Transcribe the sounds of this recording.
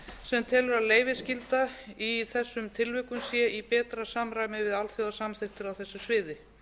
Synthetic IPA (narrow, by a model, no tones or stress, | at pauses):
sɛmt̪ʰɛːlʏɾaðleːjvɪscɪlt̪aiθɛsːʏmt̪ʰɪlvɪkʏmsjɛʔipɛːt̪ɾasamɾajmɪvɪðalθjowðasamθɪht̪ɪɾawθɛsːʏsvɪːðɪ